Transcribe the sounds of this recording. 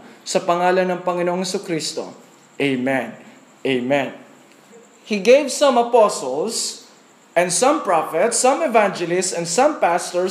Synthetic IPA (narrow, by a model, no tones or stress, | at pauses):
sɐpɐŋaːlɐnːɐŋpɐŋɪnooŋhɛsukɾist̪o̰ | ʔejmɛ̃n | ʔejmɛ̃n | hiɡejvsɐ̃mɐposols | ʔɛ̃nd̪sɐ̃mpɹafɛt̪sɐ̃mɛvand͡ʒɛlɪstsɛ̃nd̪sɐ̃mpast̪oɹ